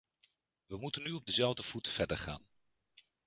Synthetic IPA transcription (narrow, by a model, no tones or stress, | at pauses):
ʋəmutənːyɔb̚dəzɛlˠvdəv̥utv̥ɛɹdəɹχa̰ːn